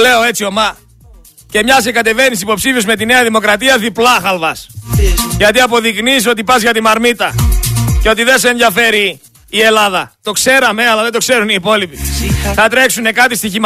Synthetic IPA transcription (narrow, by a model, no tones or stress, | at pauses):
le̞o̞e̞t͡sio̞mɐ | ce̞mɲɐsekɐt̪e̞ve̞nis̬ipo̞psifiuzme̞t̪ine̞ɐðimo̞kɾɐt̪iɐðiplɐxɐlvɐs | ʝɐt̪iɐpo̞ðikniso̞t̪ipɐzʝɐt̪imɐɾmit̪ɐceo̞t̪iðens̬eːnðjɐfe̞ɾiː | e̞lɐðɐt̪o̞kse̞ɾɐme̞ɐlɐðed̪okse̞ɾuniːpo̞lipiθɐt̪ɾe̞ksune̞kɐt̪ist̪içim